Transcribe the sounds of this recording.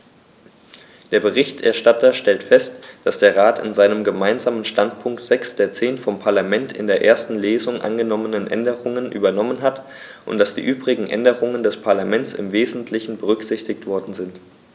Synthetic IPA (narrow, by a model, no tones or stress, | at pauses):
d̥eːɐbəʁ̞ɪçtʔɛ̰ɐʃtatʰɐʃtɛltfɛstd̥asd̥eːɐʁaːtɪ̰nzaɪnəmɡəmaɪnzaːmənʃtantpʰʊŋktz̥ɛksd̥eːɐt͡seːnfɔmpʰaɐlamɛntʰɪ̰ndeːɐʔeːɐstn̩leːzʊŋʔa̰nɡənɔmənənʔɛ̰ndəʁʊŋənʔy̰ːbɐnɔmənɦat | ʔʊ̰ntd̥asd̥ḭːʔyːbʁɪɡŋ̩ʔɛ̰ndəʁʊŋəndɛspʰaɐlamɛnt͡sɪ̰mveːzn̩tʰlɪçn̩bəʁ̞ʏkz̥ɪçtɪktv̥ɔɐdn̩zɪnt